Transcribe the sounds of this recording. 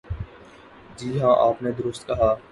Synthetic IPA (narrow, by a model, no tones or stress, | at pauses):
d͡ʒiːɦãːʔaːpned̪ʊɾʊst̪kəɦaː